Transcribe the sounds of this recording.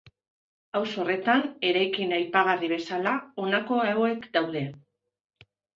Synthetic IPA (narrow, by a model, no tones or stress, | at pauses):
awso̞re̞t̪ane̞ɾajkinajpaɣ̞ariβe̞salao̞nako̞eoe̞kd̪awðe̞